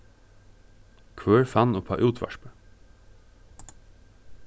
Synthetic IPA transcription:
kʰʋøːɹfɑnoːpʰɑ̰ːʔʉːt̪ʰʋɑ̰ʃpə

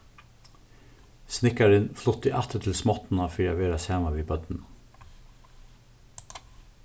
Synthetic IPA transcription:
snɪkɑɾɪnflʊt̪ɪʔæt̪ət̪ʰɪlsmɔt̪n̩ɑfiːɑʋeːɾɑshæːmɑʋiːbœd̪n̩

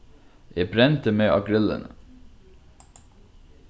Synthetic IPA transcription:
jeːbɾɛnt̪əmeːʔɑɡɾɪlə̰n

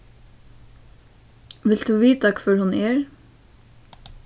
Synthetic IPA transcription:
ʋɪlt̪d̪ʉːʋiːt̪ɑkføːɹhʉneːɹ

